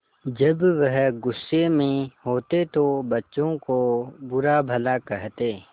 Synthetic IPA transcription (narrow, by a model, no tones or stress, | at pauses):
d͡ʒɐbʋɐɦɡʊsːemẽɦoːt̪et̪obɐtːʃõkobʊɾabʱɐlakɛɦt̪eː